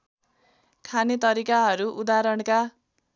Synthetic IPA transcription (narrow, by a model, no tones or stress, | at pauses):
kʰanet̪ʌɾikaɦʌɾuʔud̪aɾʌɽka